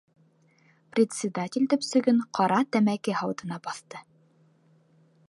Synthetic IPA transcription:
prʲɪt̪sʲɪd̪atʲɪlʲd̪ɵ̆psɵ̆ɡɘɴqɑɾɑt̪æmækɘhɑwd̪ɤ̆nɑbɑθt̪ɤ

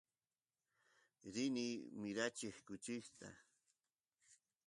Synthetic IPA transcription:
ɾɪnimɪɾat͡ʃehkʊt͡ʃɪht̪a̰

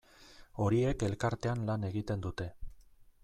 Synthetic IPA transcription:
o̞ɾie̞ke̞lkaɾt̪e̞anlane̞ɣit̪e̞nd̪ut̪e̞

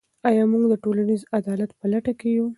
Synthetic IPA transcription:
ɑjɑmuɡd̪əʈolanizad̪ɑlat̪pəlaʈakeju

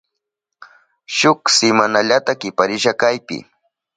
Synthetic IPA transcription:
ʃʊksɪmanaʎat̪akɪpaɾɪʃakajpɪ̰

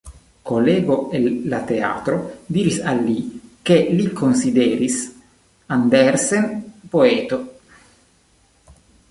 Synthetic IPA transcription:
koleːboelːat̪ea̰ːt̪ɾod̪iːɾisalːikelikʰonsid̪ɛːɾis | and̪ɛrsenpoeːt̪o

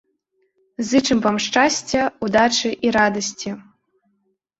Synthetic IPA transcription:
zɨt͡ʂɨmpɐmʂt͡ʂasʲt͡sʲɐud̪aʈ͡ʂɨʔiɾad̪ɐsʲt͡sʲʰi

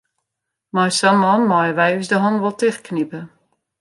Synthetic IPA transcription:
majsamɔnmajəʋɛjysdəɦɔnʋɔlˠtɪxknipə

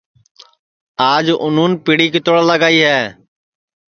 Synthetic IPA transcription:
aːd͡ʒʔʊnũːnpɪɽiːkɪt̪oɽaːləɡaːiːɦɛː

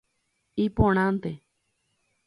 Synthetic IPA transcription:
ipõɽ̃ãnt̪e

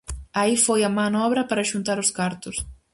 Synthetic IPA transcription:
aifojɐmanɔβɾɐpaɾɐʃunt̪aɾʊskaɾt̪ʊs

